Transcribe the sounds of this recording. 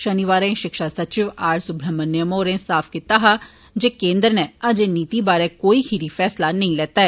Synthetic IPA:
ʃəniʋaːɾẽʃɪkʃaːsət͡ʃɪʋaːɾsʊbɾəmənːjəmoːɾẽːsaːpʰkit̪aːɦaː | d͡ʒeːkẽːnd̪əɾnɛːəd͡ʒeniːt̪iːbaːɾɛːkoːiːhʰiɾiːfʰɛːslaːnəĩːlɛːt̪aːɛː

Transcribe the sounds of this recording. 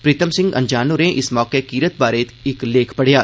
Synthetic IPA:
pɾiːt̪əmsɪ̃ŋɡɐ̰̃ɲd͡ʒaːnuɾẽʔɪsmɔːkekiːɾət̪̚baːɾeːt̪ɪkleːkʰpɐɽ̤jaː

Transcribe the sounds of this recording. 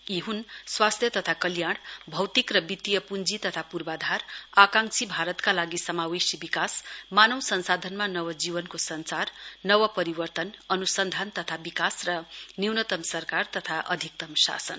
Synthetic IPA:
iɦunswast̪ʰjʌt̪ʌt̪ʰakʌljaɽ̃bʱʌwt̪ikrʌbit̪ːijʌpund͡zit̪ʌt̪ʰapurbad̪ʱarakãŋksibʱaɾʌt̪kalaɡisʌmawisibikasmanʌwsʌnsad̪ʱʌnmanʌwʌd͡zibʌnkosʌnt͡sarnʌwʌpʌɾibʌrt̪ʌnʌnusʌnd̪ʱant̪ʌt̪ʰabikasrʌniwnʌt̪ʌmsʌrkart̪ʌt̪ʰaʔʌd̪ʱik̚t̪ʌmsa̰sʌ̰n

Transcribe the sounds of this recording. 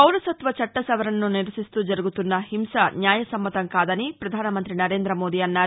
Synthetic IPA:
ɐwlɐsɐt̪ʋɐt͡ʃɐʈːɐsɐʋɐɾɐnːuniɾɐsist̪ud͡ʒɐɾuɡut̪unːɐhimsɐnjaːjɐsɐmːɐt̪ɐŋkaːd̪ɐnipɾɐd̪ʱaːnɐmɐnt̪ɾinɐɾe̞ːnd̪ɾɐmoːd̪iɐnːaːɾ

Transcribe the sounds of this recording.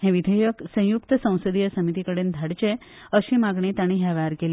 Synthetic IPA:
ɦẽʋid̪ʱejəksə̃j̃juk̚t̪əsə̃w̃səd̪ijəsəmit̪ikəɽeːnd̪ʱaɽt͡ɕe | əɕimaɡɳit̪aɽ̃ĩɦjaʋaɾkele

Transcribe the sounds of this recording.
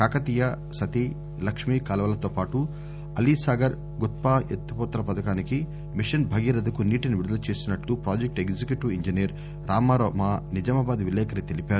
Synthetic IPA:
kaːkɐt̪ijɐ | sɐt̪i | lɐkʂmiːkɐːlɐʋɐlɐt̪oːpaːʈu | ɐlisaːɡɐɾ | ɡut̪̚paːet̪ːupɔːt̪ːɐɾɐpɐd̪ɐkaːniki | miʂɐnbʱɐɡiːɾɐd̪ɐkuniːʈiniʋiɾud̪ɐlɐt͡ʃeːsinɐʈlupɾaːd͡ʒek̚ʈeɡd͡ʒikjuʈuiɲd͡ʒiniɐɾ | ɾaːmaːɾoːmaːnid͡ʒɐmɐbaːd̪ʋilɛːkɐɾit̪e̞lipaːɾu

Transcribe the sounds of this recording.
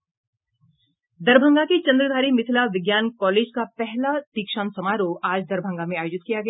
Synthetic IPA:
d̪ɐɾbʱə̃ŋɡaket͡ʃɐ̃nd̪ɾəd̪ʱaːɾimɪt̪ʰɪlaʋɪɡjaːnkɔːleːd͡ʒkapɛɦlat̪iːkʃaːnsɐmaːɾoʔaːd͡ʒd̪ɐɾbʱə̃ŋɡamẽaːjoːd͡ʒɪt̪̚kijaɡɐja

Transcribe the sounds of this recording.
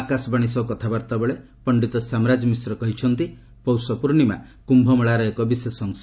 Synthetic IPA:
akasɔbaɽ̃isɔwkɔt̪ʰabaɾt̪abɔɭe | pɔɳɖit̪ɔsamɾad͡ʒɔmisɾɔkɔɦit͡ʃʰɔnt̪i | pɔwsɔpuɾnima | kumbʱɔmɔɭaɾɔekɔbisesɔŋs

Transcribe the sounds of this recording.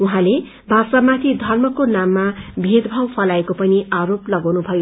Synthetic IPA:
uɦãle | bʱasamat̪ʰid̪ʱʌrmʌkonamːabʱed̪bʱawpʰʌlaekopʌniaɾoplʌɡawnubʱʌjo

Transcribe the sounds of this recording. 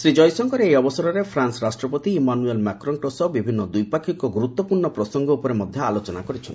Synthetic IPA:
sɾid͡ʒɔjsɔŋkɔɾeejɔbɔsɔɾɔɾepʰɾansɾasʈɾɔpɔt̪iːmanuelmakɾɔnʈosɔbibʱinːɔd̪ujpakʰikɔɡuɾut̪ːɔpuɾɳɔpɾɔsɔŋɡɔupɔɾemɔd̪ʱjɔalot͡ʃɔnakɔɾit͡ʃʰɔn

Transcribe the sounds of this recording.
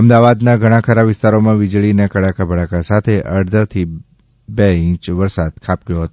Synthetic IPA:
əmd̪aʋad̪naɡʱəɽ̃ãkʰəɾaʋɪst̪aɾomãʋɪd͡ʒɭinekəɽakabʱəɭakasat̪ʰeʔəɾd̪ʱət̪ʰi | beĩt͡ʃʋəɾsad̪̚kʰap̚ɡjoɦət̪o

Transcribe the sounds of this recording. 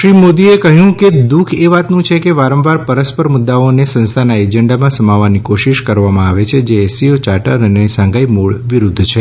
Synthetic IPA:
ʃɾimod̪iekəɦjũked̪ukʰeʋat̪nũt͡ʃʰekeʋaɾə̃mʋaɾpəɾəspəɾmʊd̪ːaonesə̃nst̪ʰanaed͡ʒəɳɖamãsəmaʋanikoʃiʃkəɾʋamãaʋet͡ʃʰed͡ʒeːsiot͡ʃaʈəɾənesãŋɡaimoɭʋiɾud̪ʱt͡ʃʰe

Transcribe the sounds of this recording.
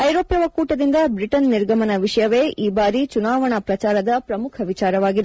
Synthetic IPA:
ɐjɾoːpjɐʋɐkuːʈɐd̪ind̪ɐbɾiʈɐnːiɾɡʱɐmɐnɐʋiʂɐjɐʋe̞ːʔʔiːbaːɾit͡ʃunaːʋɐɳɐpɾɐt͡ʃaːɾɐd̪ɐpɾɐmukʰɐʋit͡ʃaːɾɐʋaːɡid̪

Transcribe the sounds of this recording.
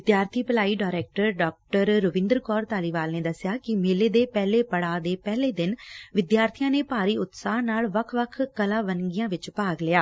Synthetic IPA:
ʋɪd̪jaːɾt̪ʰiːpəlaːiːɖaːɪɾɛːk̚ʈəɾɖɔːk̚ʈəɾːʊʋɪ̃nd̪əɾkɔːɾt̪aːliːʋaːlneːd̪əsːɪjaːkɪmeːleːd̪eːpɛːleːpəɽaːd̪eːpɛːleːd̪ɪnʋɪd̪jaːɾt̪ʰijãːneːpaːɾiːʊt̪saːɦnaːlʋəkʰːʋəkʰkəlãːʋənɡijãːʋɪt͡ʃpaːɡlɪaː

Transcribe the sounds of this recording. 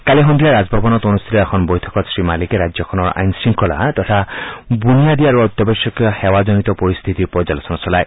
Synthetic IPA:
kaliɦɔnd̪ʱijaɾad͡ʒbʱɔbɔnɔt̪onust̪ʰiɾɛkʰɔnbɔjt̪ʰɔkɔsɹimalikeɾad͡ʒjɔkʰɔnɔɾa̰jnsiŋkʰɔla̰t̪ɔt̪ʰabunijad̪iaɾuɔt̪jɔbesɔkjɔhewad͡ʒɔnit̪ɔpɔɾist̪ʰit̪ipɔd͡ʒalɔsɔnɔsɔlaj

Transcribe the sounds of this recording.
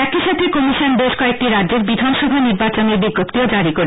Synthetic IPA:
ɛkiʃat̪ʰekɔmiʃonbeʃkɔek̚ʈiɾadːd͡ʑeɾbid̪ʱanʃɔbʱaniɾbat͡ɕonebiɡːopt̪iod͡ʑaɾiko

